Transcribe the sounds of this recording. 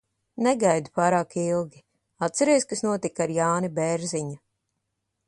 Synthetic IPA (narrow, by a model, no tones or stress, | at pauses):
nɛɡajd̪upaːɾaːkilˠɡʲi | at̪t̪sɛɾejskasnuɔt̪ikaɾjaːnibɛɾziɲa